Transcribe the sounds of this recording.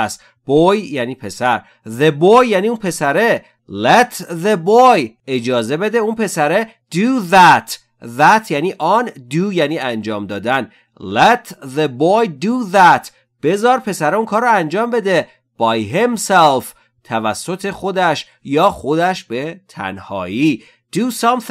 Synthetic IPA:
s | b̥ojjæːniːpʰe̞sæɾ | ðebojːæːniːunpʰe̞sæɾe | let̪ðeboj | e̞d͡ʒɒːze̞be̞d̪eunpʰe̞sæɾe | d̪̥uðæt̪ | ðæt̪ʰjæːniːʔɒnd̪ujæːniːænd͡ʒɒːmd̪ɒːd̪æn | let̪ðebojd̪uðæt̪ | b̥e̞zɒːɾpʰe̞sæɾeunkʰɒːɾːɔænd͡ʒɒːmbe̞d̪e̞ | b̥ɑjɦemself | t̪ʰævæsːo̞t̪ʰe̞xo̞d̪æʃ | jɒːxo̞d̪æʃbe̞t̪ʰæ̰nhɒ̰ːiː | d̪̥usɒmθ

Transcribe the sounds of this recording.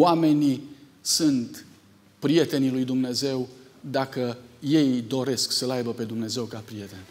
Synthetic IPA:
wame̞ni | sunt̪ | pɾije̞t̪e̞nilujd̪umne̞ze̞wd̪akəje̞jd̪o̞ɾe̞sksəlajbəpe̞d̪umne̞ze̞wkapɾije̞t̪e̞n

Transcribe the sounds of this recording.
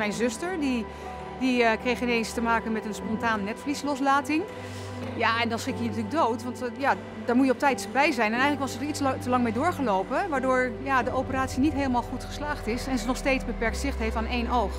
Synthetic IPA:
mɛjnzʏstəɹdi | dikrejxɪnejnstəmaːkənmɛtənspɔntaːnnɛtflislɔs̬laːtɪŋ | jaɛndɔnsχɪkjiənətyːlək̚dowtʋɑntja | daɹmujəɔp̚tɛjtsbɛjzɛjnɛnɛjənləkʋɔsətɹit͡stəlɑŋmejdʊːɹχəloːpəʋaːɹdʊːɹjadəʔopəraːtsinitɦeːləmalˠχutχə̥slaːχtɪsɛnzənɔχsteːtzbəpɛɹk̚tsɪxtheftaːnejnowx

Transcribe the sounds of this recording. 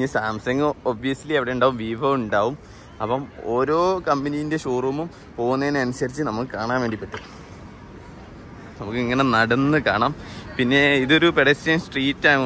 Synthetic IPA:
ɨsaːmsɐŋɡɨobʋijɐslieʋiɽe̞juɳɖaːʋumʋiːbʱɐʋuɳɖaːʋum | ɐpːɐmo̞ːɾo̞ːkɐmbɐnijinde̞ɕoːrʋɐmum | po̞ːɣunːeeneɐnusɐrit͡ɕːɨnɐmukːɨkaːɳaːnʋe̞ːɳɖipːɐʈːu | nɐmukːiŋːɐne̞nɐɽɐnːɨkaːɳaːmpinːe̞iðo̞ɾupeɽɐsɐmsʈriːtːaː

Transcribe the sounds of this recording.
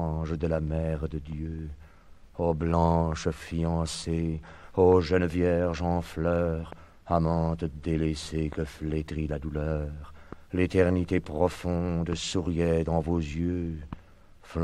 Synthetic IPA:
ʒd̪əlamɛʁd̪əd̪jø | oblɑ̃ʃəfiɑ̃seoʒənvjɛʁʒɑ̃flœʁ | amɑ̃t̪əd̪elesekəflet̪χilad̪ulœʁlet̪ɛʁnit̪epχɔfɔ̃d̪suʁjɛd̪ɑ̃vozjø | fl

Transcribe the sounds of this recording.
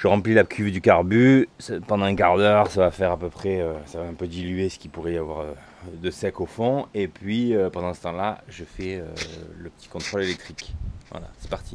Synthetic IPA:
ʒ̥əʁɑ̃plilakʲʰyvd̪ykaʁbyspɑ̃d̪ɑ̃ɛ̃kaʁd̪œʁsavafɛʁapøpχɛøsavaɛ̃pød̪ilyesə̥kʲipuʁɛjavwaʁø | d̪əsɛkofɔ̃epɥiøpɑ̃d̪ɑ̃sə̥t̪ɑ̃laʒəfɛø̰ləpə̥t̪i̥kɔ̃t̪χɔlelɛk̚t̪χikvwa̰la̰sɛ̥paʁt̪ʰi

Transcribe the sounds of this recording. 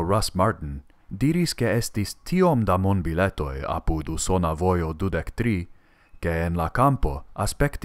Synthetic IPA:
ɾasmaɾtn̩ | diɾiske̞estistʰio̞mdamonbile̞to̞̰ja̰puduso̞navo̞jo̞dudekt̪ɾi | ke̞ːnlakampo̞aspe̞kt

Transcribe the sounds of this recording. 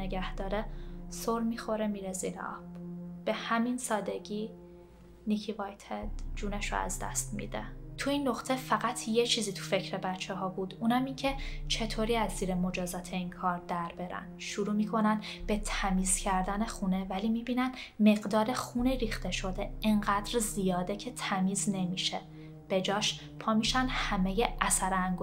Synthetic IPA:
eɡæhd̪̥ɒːɾesoɾmixo̞ɾemiːɾezḭɾḛɒ̰b̥b̥e̞hæminsɒːd̪e̞ɡiː | nicʰivɒjt̪ʰed̪̥d͡ʒuːneʃo̰æ̰zd̪æ̰st̪mḭːd̪ḛt̪ʰuinːoχt̪ʰe̞fæɣæt̪ʰje̞t͡ʃʰiːziːt̪ʰu̥fe̞cʰɾebæt͡ʃʰːeɦɒːbuːd̪uːnæmiːncʰe̞t͡ʃʰe̞t̪ʰoːɾiːæzːiːɾemo̞d͡ʒɒːzɒːt̪ʰeinkʰɒːɾd̪æɾbe̞ɾæ̰nʃuɾuːmiːkʰo̞nænb̥e̞t̪ʰæmiːz̥cʰæɾd̪ænexunevælimiːbiːnænme̞ɣd̪ɒːɾe̞xuniɾiːxt̪e̞ʃo̞d̪eeŋɢæd̪ɾzijɒːd̪e̞cʰe̞t̪ʰæmiːzne̞miːʃe | b̥e̞d͡ʒɒːʃ | pʰɒːmiʃænhæme̞jeʔæsæɾæŋɡo

